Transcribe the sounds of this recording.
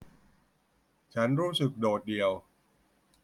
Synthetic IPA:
t͡ɕʰa˦˥nɾuː˦˥sɯ˨˩k̚doː˨˩t̪̚di˨˩əw

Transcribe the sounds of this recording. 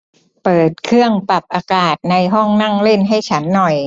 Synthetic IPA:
pɤː˨˩t̪̚kʰɯ˥˩əŋpa˨˩p̚ʔaː˧kaː˨˩t̪̚na˧jɦɔ˥˩ŋna˥˩ŋle˥˩nɦa˥˩jt͡ɕʰa˦˥nːɔ˨˩j

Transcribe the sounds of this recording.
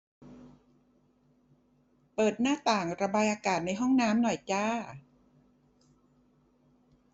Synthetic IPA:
pɤː˨˩t̪̚naː˥˩t̪aː˨˩ŋɾa˧baː˧jʔaː˧kaː˨˩t̪̚na˧jɦɔ˥˩ŋnaː˦˥mnɔ˨˩jt͡ɕaː˧˥˩

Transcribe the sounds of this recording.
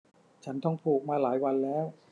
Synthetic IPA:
t͡ɕʰa˦˥nt̪ɔ˥˩ŋpʰuː˨˩k̚maː˧laː˩˦jwa˧nlɛː˦˥w

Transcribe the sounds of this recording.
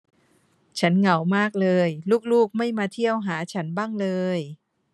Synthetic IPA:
t͡ɕʰa˦˥nŋa˩˦wmaː˥˩k̚lɤː˧jluː˥˩k̚luː˥˩k̚ma˥˩jmaː˧t̪ʰi˥˩əwɦaː˩˦t͡ɕʰa˦˥nbaː˥˩ŋlɤː˧j

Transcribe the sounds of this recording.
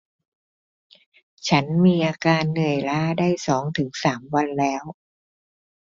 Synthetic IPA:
t͡ɕʰa˦˥nmiː˧ʔaː˧kaː˧nːɯ˨˩əjlaː˦˥daː˥˩jsɔː˩˦ŋt̪ʰɯ˩˦ŋsaː˩˦mwa˧nlɛː˦˥w

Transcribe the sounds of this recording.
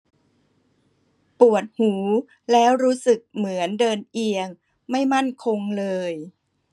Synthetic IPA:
pu˨˩ət̪̚huː˩˦ | lɛː˦˥wɾuː˦˥sɯ˨˩k̚mɯ˩˦əndɤː˧nʔi˧əŋ | ma˥˩jma˥˩nkʰo˧ŋlɤː˧j

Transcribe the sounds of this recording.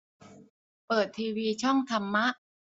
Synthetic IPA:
pɤː˨˩t̪ʰːiː˧wiː˧t͡ɕʰɔ˥˩ŋt̪ʰa˧mːa˦˥ʔ

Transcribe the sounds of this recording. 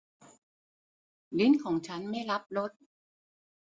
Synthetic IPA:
lɯ˦˥nkʰɔː˩˦ŋt͡ɕʰa˦˥nma˥˩jɾa˦˥p̚ɾo˦˥t̪̚

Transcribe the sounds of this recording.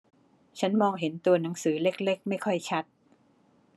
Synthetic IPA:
t͡ɕʰa˦˥nmɔː˧ŋɦe˩˦nt̪u˧ɐna˩˦ŋsɯː˩˦le˦˥k̚le˦˥˩k̚ma˥˩jkʰɔ˥˩jt͡ɕʰa˦˥t̪̚

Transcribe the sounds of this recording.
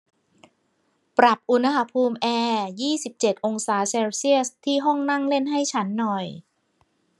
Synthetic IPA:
pɾa˨˩p̚ʔu˧nha˧ɦa˧˥pʰuː˧mʔɛː˧jiː˥˩si˨˩p̚t͡ɕe˨˩t̪̚ʔo˧ŋsaː˩˦seː˧wsi˥˩əst̪ʰiː˥˩ɦɔ˥˩ŋna˥˩ŋle˥˩nɦa˥˩jt͡ɕʰa˦˥nːɔ˨˩j

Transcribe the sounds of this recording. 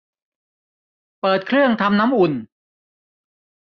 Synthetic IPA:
pɤː˨˩t̪̚kʰɾɯ˥˩əŋt̪ʰa˧mna˦˥mʔu˨˩n

